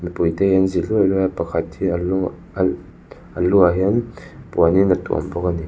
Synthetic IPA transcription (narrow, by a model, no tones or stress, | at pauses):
mipujt̪ehɛnziluluapakʰat̪̚hiəl | ʔəluaɦɛnpuaninət̪ṵa̰mbɔk̚ani